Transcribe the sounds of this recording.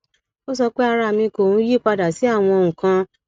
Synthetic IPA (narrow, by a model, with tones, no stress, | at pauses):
o˦sɔ˧k͡pe˦a˧ɾa˧˨mĩ˧ko˨ũ˨˦ji˦˨k͡pa˧da˨si˨˦a˦˨w̃ɔ̃˧o˧ũ˨kã˧